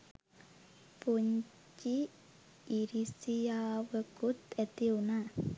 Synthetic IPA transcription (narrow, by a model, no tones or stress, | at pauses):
puɲ | t͡ʃiː | ɾisijaːʋəkut̪et̪iuna